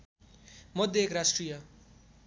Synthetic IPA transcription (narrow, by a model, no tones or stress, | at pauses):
mɔd̪ʱːeeːkɾasʈɾija